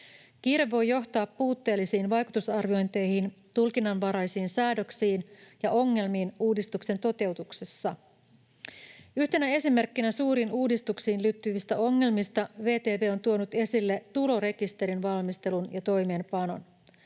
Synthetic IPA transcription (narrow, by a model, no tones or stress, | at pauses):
kireʋʋo̞jːo̞ht̪ɑːpːuːt̪ːe̞ːlːisiːnʋɑjkut̪usɑrʋio̞jnt̪e̞jhin | t̪ulkinːɑnʋɑɾɑjsiːnsæːdø̞ksiːnjɑʔo̞ŋːe̞lmiːnuːdist̪ukse̞nt̪o̞t̪e̞wt̪uksesːɑ | yçt̪e̞næe̞sime̞rkːinæsuːɾinuːdist̪uksiːnlyt̪ːyʋist̪æo̞ŋːe̞lmist̪ɑʋe̞ːt̪e̞ːbeːo̞nt̪uo̞nut̪e̞silːe̞t̪ulo̞ɾe̞kist̪e̞ɾinʋɑlmist̪e̞lunjɑt̪o̞jmiempɑno̞̰n